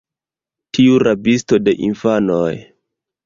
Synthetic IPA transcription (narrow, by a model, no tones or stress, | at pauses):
tʰiuɾabisto̞de̞ʔinfanoj